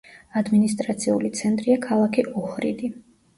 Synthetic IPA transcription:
ad̪minist̪ʼɾat̪sʰiṵlit̪sʰɛnt̪ʼɾiakʰalˠakʰiʔɔhɾḭd̪i

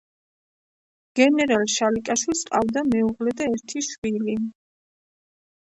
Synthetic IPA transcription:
ɡ̥ɛnɛɾalʃalikʼaʃwilsqʼavd̪amɛuʁlɛd̪aɛɾt̪ʰiʃwili

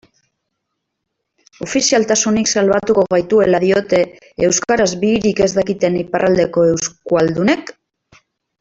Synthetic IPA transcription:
o̞fisialt̪asuniksalβat̪uko̞ɣajt̪ue̞laðio̞t̪e̞ː | wskaɾazβiːɾike̞zd̪akit̪e̞niparʔald̪e̞ko̞e̞wskuald̪une̞k

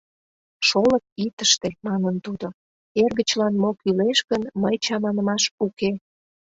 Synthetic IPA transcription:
ʃolək̚it̪əʃt̪emɑnənt̪ud̪o | erɣət͡ɕlɑnmokyleʃɣənməjt͡ɕɑmɑnəmɑʃuke

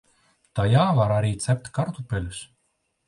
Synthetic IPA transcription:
t̪ajaːvaɾaɾʲiːt̪sæp̚ʲt̪ʲkaɾt̪upʲɛlʲs

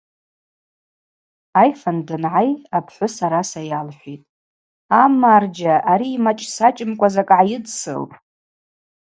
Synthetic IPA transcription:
ajfandɨnʕajapʰħʷʊsaɾasajalħʷᶣitʼ | amard͡ʒaʔaɾiːmat͡ʃʼsat͡ʃʼɪmkʷʼazakʼʕajɪdsɨ̰lʼ

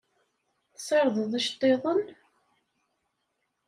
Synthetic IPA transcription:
θsˤɑɾˤðˤəðˤæʃt̪ˤːeðˤən

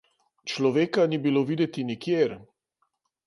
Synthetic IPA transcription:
t͡ʃlɔʋeːkanibiloʋiːd̪ɛt̪inikjeɾ

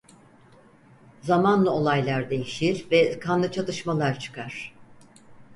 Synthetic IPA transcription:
zamanlˠao̞lˠajlʲˠaɾd̪e̞jiʃiɾvɛkʰanlˠɯt͡ʃʰat̪ɯʃmalˠaɾt͡ʃʰɯ̥kʰaɾ̥

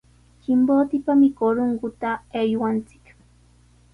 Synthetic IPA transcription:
kɪmboːt̪ɪpamɪkoɾoŋɡʊt̪aejwant͡sɪ̥k

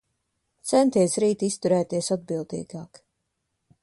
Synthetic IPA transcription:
t̪sɛnt̪iɛsɾiːt̪ist̪uɾɛːt̪iɛəsad̪̚bilˠd̪ḭːɡaːk

